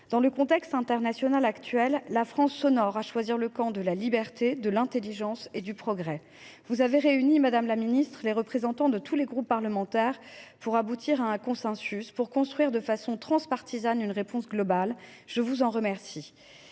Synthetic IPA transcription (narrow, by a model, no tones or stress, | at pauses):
d̪̥ɑ̃ləkɔ̃t̪ɛkst̪ɛ̃t̪ɛʁnasjɔnalakt̪ɥɛlːafχɑ̃sːɔnɔʁaʃwaziʁləkɑ̃d̪əlalibɛʁt̪ed̪əlɛ̃t̪eliʒɑ̃sed̪ypχɔɡʁɛ | vuzaveʁeynimad̪amlaminist̪χəleʁəpχezɑ̃t̪ɑ̃d̪ət̪ʰuleɡʁupːaʁləmɑ̃t̪ɛʁpuʁabut̪ʰiʁaɛ̃kɔ̃sɛ̃syspuʁkɔ̃st̪χɥiʁd̪əfasɔ̃t̪χɑ̃spaʁt̪izanynʁepɔ̃sɡlɔbal | ʒ̥əvuzɑ̃ʁəmɛʁsi